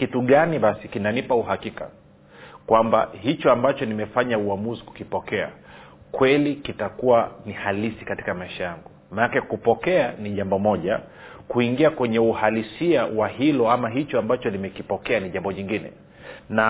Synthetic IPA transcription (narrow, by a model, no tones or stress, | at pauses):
kituɠaniɓasikinanipauhakika̰ | kwamba̰hit͡ʃɔambat͡ʃɔnimɛfaɲauamuziku̥kipɔkɛa̰kwɛlikitakuwanihalisikati̥kamaiʃajaŋɡu | manakɛkupɔkɛaniʄambɔmɔʄakuiŋɡiakwɛɲɛuhalisiawahilɔamaɦit͡ʃɔambat͡ʃɔnimɛkipɔkɛaniʄambɔɲiŋɡinɛ̰ | na